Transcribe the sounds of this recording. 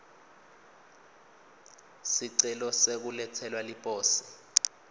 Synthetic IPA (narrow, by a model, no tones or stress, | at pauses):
siǀɛlɔsek̬ulɛtʰɛlwalipʼɔːsi̥